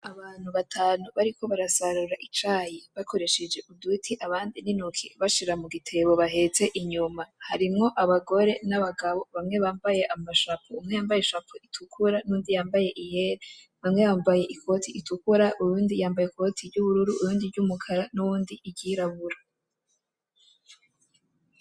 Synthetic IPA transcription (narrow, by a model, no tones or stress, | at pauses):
aβaːn̥huβatʰaːnuβaɾikʰo̞βaɾasaɾuɾaʔit͡ʃajiβakʰo̞ɾe̞ʃed͡ʒe̞ʔudutʰiʔaβaːndininukʰiβaʃiɾamuɡitʰe̞βo̞βaɦe̞t͡se̞ʔiɲumaha̰ɾimŋo̞ʔaβaɡo̞ɾe̞naβaɡaβo̞βamŋe̞βaːmbaje̞ʔamaʃapoumŋejaːmbajeʃapoitʰukʰuɾanuːndijaːmbaje̞ʔije̞ɾe | βamŋe̞βaːmvaje̞ʔikʰo̞tʰiʔitukuɾaʔujuːndijaːmbajekʰo̞tʰivɟuβuɾuɾuujuːndivɟumukʰaɾanuwuːndiʔiɟiɾaβuɾa